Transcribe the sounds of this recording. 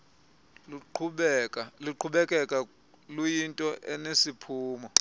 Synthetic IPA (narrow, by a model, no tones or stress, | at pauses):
lǃʰuɓkʼaliǃʰuɓɛkʼɛkʼa | lujintʼɔʔɛnesipʰuːmɔ